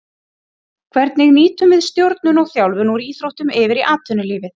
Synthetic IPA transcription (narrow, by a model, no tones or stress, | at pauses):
kʰvɛɾt̪̚nɪɣniːt̪ʏmvɪðst̪jowɾt̪̚nʏnɔɣθjawlvʏnuɾiiːθɾowht̪ʏmɪvɪɾiʔaːt̪ʰʏnʏliːvɪθ